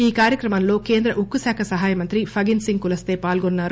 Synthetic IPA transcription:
iːkaːɾjɐkɾɐmɐnlo̞ːke̞ːnd̪ɾɐʔukːusaːkʰɐsɐɦaːjɐmɐnt̪ɾipʰɐɡinsiŋɡ̚kulɐst̪e̞ːpaːlɡonːaːɾu

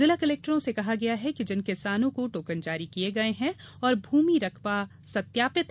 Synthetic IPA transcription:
zɪlakɐleːk̚ʈəɾõsekɐɦaɡɐjaɦɛkid͡ʒɪnkɪsaːnõkoʈoːkənd͡ʒaːɾikieɡɐeɦɛ̃ | ɔːɾbʱuːmiɾɐkʰba | sɐt̪jaːpɪt̪

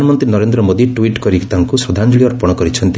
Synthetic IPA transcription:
nmɔnt̪ɾinɔɾend̪ɾɔmod̪iʈuiʈkɔɾit̪aŋkusɾɔd̪ʱand͡ʒuɭiɔɾpɔɽ̃ɔkɔɾit͡ʃʰɔnt̪i

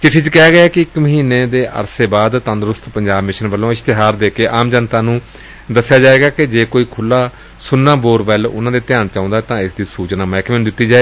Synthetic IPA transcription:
t͡ʃɪʈʰːiːt͡ʃkɛːɡəaːkɪɪkməɦiːneːd̪eːʔə̰ɾseːbaːd̪t̪ə̃nd̪ɾʊst̪pəɲd͡ʒaːbmɪʃənʋəlːõːɪst̪ɪɦaːɾd̪eːkeːʔaːmd͡ʒənt̪aːnũː | d̪əsːjaːd͡ʒaːeːɡaːkɪd͡ʒeːkoːiːkʰʊlːaː | sʊnːãːboːɾbɛlʊ̰nãːd̪eːt̪ɪjaːnt͡ʃãːʊ̃nd̪aːɛːt̪ãːɪsd̪iːsuːt͡ʃnaːmɛːkmẽnd̪ɪt̪ːiːd͡ʒaːeː

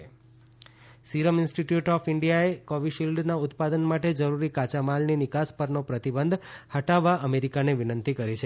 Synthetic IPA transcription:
siɾəmɪ̃nsʈiʈjuʈɔfɪɳɖijaekɔʋiʃilɖnaʊt̪pad̪ənmaʈed͡ʒəɾuɾikat͡ʃamalninɪkaspəɾnopɾət̪ibənd̪ʱhəʈaʋːaʔəmeɾikaneʋinənt̪ʰikəɾit͡ʃʰe

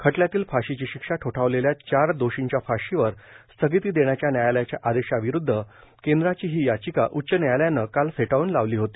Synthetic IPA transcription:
kʰəʈljat̪iːlfaɕit͡ɕiːɕikʂaʈʰoʈʰaʋleljat͡ɕaɾd̪oɕiɲt͡ɕjafaɕiʋəɾst̪ʰəɡit̪iːd̪eɳjat͡ɕjanjajaljat͡ɕjaʔad̪eɕaʋiɾud̪ʱːə | kend̪ɾat͡ɕiːɦiːjat͡ɕikaʔutːɕənjajaljanːəkalfeʈauːnlaʋliːɦot̪i̥ː

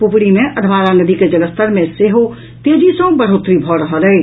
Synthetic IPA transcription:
pupɽimẽʔəd̪ʱʋaːɾanəd̪iked͡ʒələst̪əɾmẽseɦo | t̪ed͡ʒisə̃bəɽ̤ot̪ɾibʱɔɾəɦəlɛ

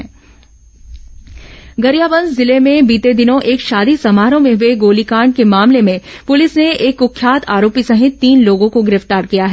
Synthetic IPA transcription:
ɡɐɾjaːbə̃nd̪zɪlemẽbiːt̪ed̪ɪnõʔeːkʃaːd̪isɐmaːɾõmẽɦʊeɡoːlikaːɳɖ̚kemaːmlemẽpʊlɪsneeːkʊkʰːjaːt̪ʰaːɾoːpisɐɦɪt̪ːiːnloːɡõkoɡɪɾɪft̪aːɾkijaɦɛ

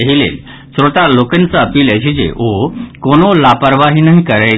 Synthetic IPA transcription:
eɦilḛl | sɾot̪alokənt͡səəpiːlet͡ɕid͡ʑḛʔokonolapəɾʋaɦinaɦikəɾə

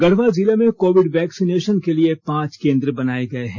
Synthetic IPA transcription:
ɡɐɽ̤ʋazilemẽkoːʋɪɖʋɛːksineːʃənkeliepãːt͡ʃkẽːnd̪ɾəbɐnaːeɡɐeɦɛ̃ː

